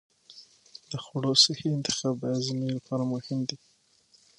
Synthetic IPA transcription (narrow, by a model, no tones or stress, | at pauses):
d̪̥əxʊɽosəxeɪnt̪ɪ̥xɑbajazɪnelapʰɑɾamʊhɪmd̪i